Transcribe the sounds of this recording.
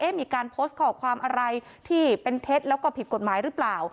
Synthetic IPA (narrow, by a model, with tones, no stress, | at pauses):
ʔe˦˥miː˧kaː˧npʰoː˦˥st̪̚kʰɔː˨˩kʰwaː˧mʔa˧ɾa˧j | t̪ʰiː˥˩pe˧nt̪ʰeː˦˥t̪̚lɛː˦˥wkɔː˥˩pʰi˨˩t̪̚ko˨˩t̪̚maː˩˦jɾɯ˦˥plaː˨˩w